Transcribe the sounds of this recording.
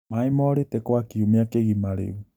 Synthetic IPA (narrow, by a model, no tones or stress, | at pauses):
maimɔɾetekwakiumeakeɣimaɾḛu